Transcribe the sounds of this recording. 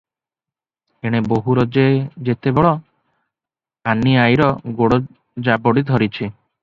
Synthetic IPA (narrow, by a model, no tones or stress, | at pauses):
eɽ̃eboɦuɾod͡ʒed͡ʒet̪ebɔɭɔ | anːiajɾɔɡoɽo | d͡ʒabɔɽid̪ʱɔɾit͡ʃʰi